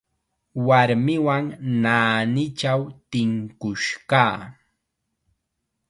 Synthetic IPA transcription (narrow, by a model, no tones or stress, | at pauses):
waɾmɪwaŋnaːnɪt͡ʃawt̪ɪŋkʊʃkaː